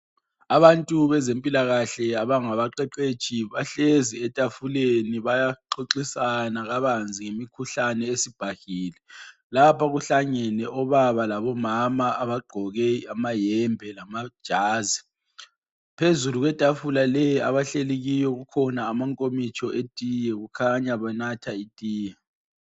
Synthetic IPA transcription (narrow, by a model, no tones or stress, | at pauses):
aβantʼuβɛzempʼilaɣaɬɛaβaŋaβaǃɛǃe̥t͡ʃʼiβaɬeziɛtʼafuleniβajaǃoǃisanaɣaβand͡zʱiŋemikʰuɬanɛesib̥ʱahiːlɛ | lapʰaɣuɬaɲɛnɛʔɔβaβalaβɔmamaːβaɡ͡ǃʱɔɣɛamajɛmbʱɛlamad̥ʒ̥ʱaːzi | pʰezuluɣwɛtʼafulalɛja̰βaɬeleɣijɔɣukʰɔnaːmaŋkʼomit͡ʃʰʼɔʔetʼijɛɣukʰaɲaβanatʰaitʼiːjɛ